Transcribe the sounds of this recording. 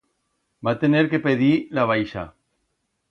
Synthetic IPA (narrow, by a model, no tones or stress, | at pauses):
bat̪eneɾkepeðilaβ̞ajʃa̰